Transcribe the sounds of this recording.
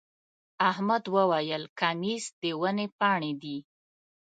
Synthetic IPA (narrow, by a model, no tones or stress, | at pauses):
ahmad̪wəwajəlkamisd̪̥əwənepɑɳed̪i